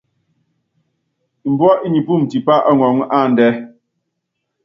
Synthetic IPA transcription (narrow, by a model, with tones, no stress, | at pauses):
m̩˨bwɔ˦ʔi˦ɲi˨pu˦˨m˨ti˨pa˦ʔa˦ŋɔ˨ŋa˦˨n˨dɛ˦